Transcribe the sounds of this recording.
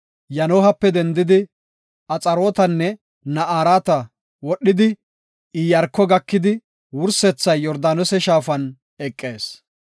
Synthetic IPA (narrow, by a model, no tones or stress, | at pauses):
jɐnoːɦɐpːɛd̪ɛnd̪ɪd̪ɪ | ɐt͡sʼɐɾo̞ːt̪ɐnːɛ | nɐʔaːɾaːt̪ɐ | wɔɗːɪd̪ɪ | ɪjɐɾkːɔɡɐkːɪd̪ɪ | wʊɾsɛt͡sːɐjːɔɾd̪aːnɔsɛʃaːfɐn | ɛkʼːe̞ːs